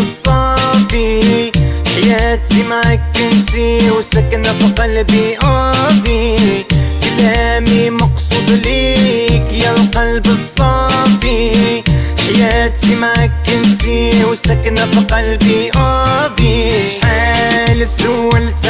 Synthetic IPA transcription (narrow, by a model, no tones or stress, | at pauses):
sˤːɑfi | ħajaːt̪imaʕakːɪnt̪iwsakanafiqɑlbiʔaːbi | kɪlaːmimɑqsˤʊd̪ˤliːkjalqɑlbɨsˤːɑfi | ħajaːt̪imaʕakːɪnt̪iwsakanafiqɑlbiʔaːfialsult̪